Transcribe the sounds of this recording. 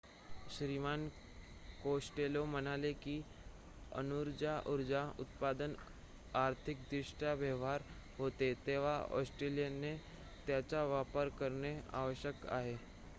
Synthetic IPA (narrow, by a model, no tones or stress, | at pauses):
ɕɾiman | kosʈelomənalekiː | ə̰nuɾd͡ʑaʔuɾd͡ʑaut̪̚pad̪ən | aɾt̪ʰik̚d̪ɾiʂʈaʋjəʋɦaɾ | ɦot̪et̪eʋ̤aɔ̰sʈɾelijene | t̪jat͡ɕaʋapəɾkəɾɳea̰ʋəɕjəka̰ɦe